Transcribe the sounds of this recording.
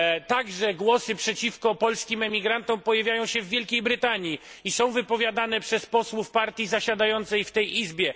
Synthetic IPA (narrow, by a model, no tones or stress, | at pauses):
t̪aɡʐɛɡwɔsɘpʂɛt͡ɕifkɔpɔlskʲimɛmʲiɡɾant̪ɔ̃mpɔjavʲjajɔ̃w̃ɕɛvːʲjɛlkʲejbɾɘt̪aɲji | isɔ̃w̃vɘpɔvʲjad̪anɛpʂɛspɔswufpaɾt̪ʲjizaɕad̪ajɔnt̪sɛjft̪ɛjʔizbʲjɛ